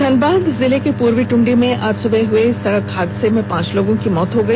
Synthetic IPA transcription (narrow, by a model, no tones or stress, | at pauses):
d̪ʱɐnbaːd̪zɪlekepuːɾʋiʈʊ̃ɳɖimẽʔaːd͡ʒsʊbʱeɦʊesɐɽəkɦaːd̪semẽpãːt͡ʃloːɡõkimɔːt̪ɦoɡɐiː